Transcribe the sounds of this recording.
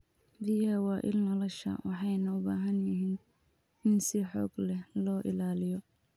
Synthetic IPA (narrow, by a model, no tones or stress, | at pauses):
bɪjɐwɑːʔɪ̰lnɔlɔʃɐ̰wɑħɑjnɐʊbaːɦɐnjɪɦiːn | ɪnsɪħɔ̰ːɡlɛhlɔːʔɪ̰laːlɪjɔ